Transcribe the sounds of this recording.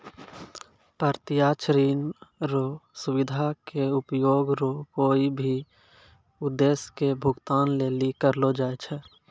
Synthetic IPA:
pəɾt̪ɪjaːt͡ʃɾiːnɾosʊbɪd̪ʱakeʊpjoːɡɾokoːibʱi | ʊd̪ːeːskebʱʊɡt̪aːnleːlikəɾlod͡ʒaːet͡ʃʰɛ

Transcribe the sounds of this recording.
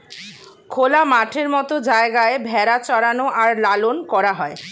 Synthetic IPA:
kʰolamaʈʰeɾmɔt̪od͡ʑaeɡaebʱɛɾat͡ɕɔɾanoʔaɾlalonkɔɾaɦɔe

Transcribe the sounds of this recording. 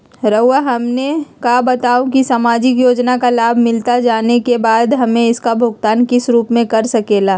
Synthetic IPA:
ɾəʊəɦɐmnekabɐt̪aːũkisaːmaːd͡ʒɪk̬joːd͡ʒnakalaːbʱmɪlt̪ad͡ʒaːnekebaːd̪ɦɐmẽɪskabʱʊɡt̪aːnkɪsɾuːpmẽkɐɾsɐkeːlaː

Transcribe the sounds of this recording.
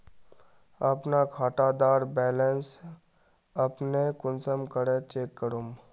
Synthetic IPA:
ɐpnakʰaːʈad̪aːɾbɛːlens | ɐpnekʊnsəmkəɽet͡ʃeːkːəɾum

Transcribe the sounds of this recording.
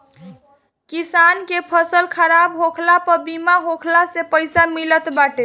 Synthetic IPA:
kisankepʰəsəlkʰəɾabɦokʰlapəɾbimaɦokʰlasepəjsamilət̪baʈe

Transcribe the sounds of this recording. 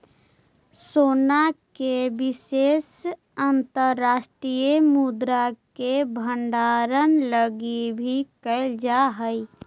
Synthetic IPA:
soːnakebɪseːs | ənt̪əɾːaːsʈɾijemud̪ɾakebʱə̃ɳɖaːɾənləɡibʱikəɪld͡ʒaɦəi

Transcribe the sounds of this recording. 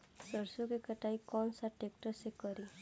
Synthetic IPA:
sɔɾsukekəʈajkɔnsaʈek̚ʈɔsekɔɾi

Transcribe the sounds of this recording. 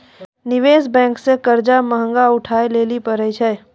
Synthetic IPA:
nɪʋeːsbɛ̃ːŋksekəɾd͡ʒaməɦə̃ŋɡaʊʈʰaːeleːlipəɾət͡ʃʰɛː

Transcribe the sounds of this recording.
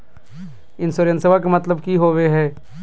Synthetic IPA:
ɪnsoɾjənsɐbakamɐt̪ləbkiɦoːʋeɦɛː

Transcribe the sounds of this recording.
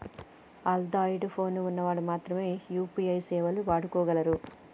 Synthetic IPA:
ɐld̪aːjiʈpʰo̞ːnuunːɐʋaːɽumaːt̪ɾɐme̞ːjuːpiɐjsɛːʋɐluʋaːɽukɔːɡɐlɐɾu

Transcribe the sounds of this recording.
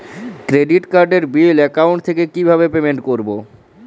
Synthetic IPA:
kɾeɖiʈkaɾɖeɾbilɛkawɳʈt̪ʰekekibʱaβepemeɳʈkoɾbo

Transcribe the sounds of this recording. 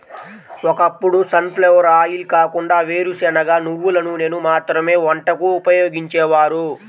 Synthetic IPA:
wɔkɐpːuɽusɐnpleʋɐɾaːjilkaːkuɳɖaːʋe̞ːɾusɛnɐɡaːnuʋːulɐnune̞ːnumaːt̪ɾɐme̞ːʋɐɳʈɐkuːpɐjo̞ːɡiɲt͡ʃɛːʋaːɾu

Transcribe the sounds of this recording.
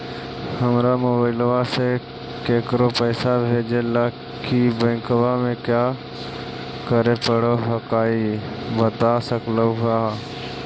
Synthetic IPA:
həmɾamʊbəɪlʋase | keːkɾopɛːsabʱeːd͡ʒelaː | kʰibə̃ːŋkʋamẽkjaː | kəɾepəɽoɦəkaːi | bət̪asəkləɦaː

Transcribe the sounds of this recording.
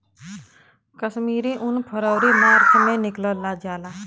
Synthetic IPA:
kəʃmiːɾiʔʊnpʰəɾəːɾiːmaːɾkʰmẽnɪkləlaːd͡ʒaːlaː

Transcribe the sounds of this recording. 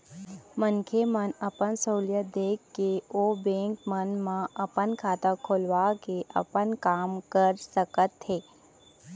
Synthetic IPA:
mənkʰemənəpənsoːljəd̪eːkʰːeoːbẽːŋkmənmãɐpənkʰaːt̪akʰoːlʋakeʔɐ̰pənkaːmkəɾsəkət̪ɦeː

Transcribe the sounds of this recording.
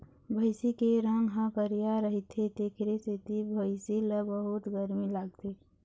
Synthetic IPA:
bʱəɪsikeɾə̃ŋɡɦə̃kəɾijaɾəɦit̪ʰet̪ekʰɾeset̪ibʱəɪsiləbəɦut̪ɡəɾmilaɡt̪ʰe

